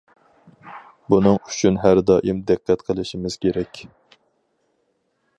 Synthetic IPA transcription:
bunɨŋy̥t͡ʃʰynɦæɾd̪ɑːʔimd̪æqʰːɛt̪qʰəlˠɪʃimɪz̥kʲeɾɛkʲ

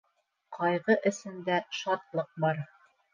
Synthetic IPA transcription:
qʰɒjʁɤʔɘ̆sɘ̆nd̪æʃɑt̪lˠɤq̚bɑɾ

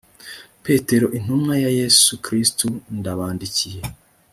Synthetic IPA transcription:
pe̞te̞ɾo̞ʔin̥umŋajaje̞sukɾistundaβaːndicije̞

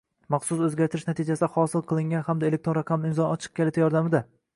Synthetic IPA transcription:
mɑχsʊsɵzɡʲaɾt̪ʰɪɾɪʃnat̪ʰɪd͡ʒasɪd̪ahɒsɪlˠqʰɨlˠɪŋɡʲanhamd̪ae̞lek̚t̪ɾoɾɑqʰɑmɪmzɒnɒt͡ʃʰɨ̥q̚kʲʰelɪt̪ʰajɒɾd̪amɪd̪a

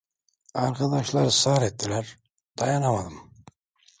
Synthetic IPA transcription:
ɑɾkʰɑd̪ɑʃlˠɑɾɯsɑɾet̪ːilæɾ | d̪̥ɑjɑnamad̪ɯm

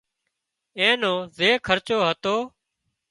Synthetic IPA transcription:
ẽːnoːzeːkʰəɾt͡ʃoːɦət̪oː

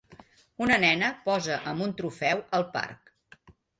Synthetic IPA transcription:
unənɛnəpɔzəʔəmbunt̪ɾufɛwəlˠpa̰rk

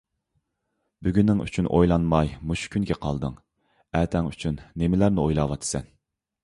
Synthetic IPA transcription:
byɡʲynːɪŋy̰t͡ʃʰynʔo̰jlˠɑnmɑjmuʃu̥kʲʰynkʲɛqʰɑlˠd̪ɨŋ | æt̪ʰɛŋyt͡ʃʰynːemɪlæɾnɪojlˠɑːwɑt̪ʰɨ̥sɛn

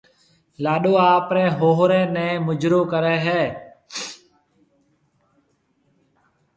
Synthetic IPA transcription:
laːɗoːaːpɾɛ̃ːɦoːɦɾɛːnɛ̃ːmʊd͡ʒɾoːkəɾɛːɦɛː

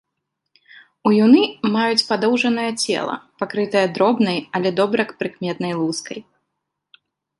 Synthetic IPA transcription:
ujunɨmajut͡sʲpad̪ɔwʐɐnɐjɐt͡sʲɛ̰lˠɐ̰pakɾɨt̪ɐjɐd̪ɾɔbnɐjɐlʲɛd̪ɔbɾɐkpɾɨkmʲɛt̪nɐjlˠuskɐj

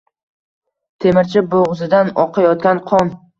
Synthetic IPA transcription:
t̪ʰe̞mɪɾt͡ʃʰɪboʁzɪd̪anɒqʰɑjɒt̪̚kʲanqʰɒn

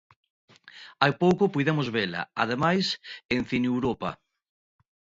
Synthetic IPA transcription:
ajpowkopujðemozβela̰a̰ð̞emajsen̟θinuwɾopa̰

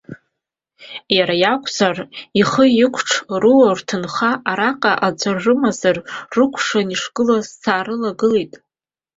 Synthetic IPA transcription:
jaɾajakʷʼʰzariχəɪkʷʰʈ͡ʂʰruwartʰɨnχaʔaɾaqʼaʔad͡zʷarrɨmazarrɨkʷʰʂaniʂɡ̥ɨlazsʰaːɾɨlaɡɨlejtʼ

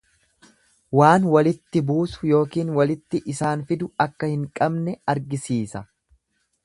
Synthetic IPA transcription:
waːnwɐlɪt̪ːɪbuːsʊ̥jo̞ːkiːnwɐlɪt̪ːɪʔɪsaːnfɪd̪ʊɐkːɐhɪŋkʼɐbnɛɐɾɡɪsiːsɐ

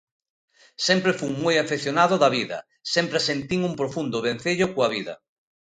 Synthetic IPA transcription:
sɛmpɾefuŋmojafeθjonaðʊðɐβiðɐ̰ | sempɾesent̪iŋuŋpɾofund̪ʊβ̞en̟θeʎokoɐβiðɐ̰

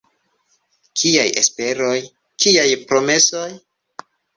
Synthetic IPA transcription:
kʰiajʔe̞̰spe̞ɾo̞j | kiajpɾo̞me̞so̞j

